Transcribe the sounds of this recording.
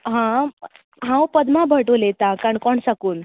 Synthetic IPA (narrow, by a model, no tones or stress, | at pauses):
ɦã | ɦãwpəd̪mabʱəʈolet̪ãkaɳkɔɳsakuːn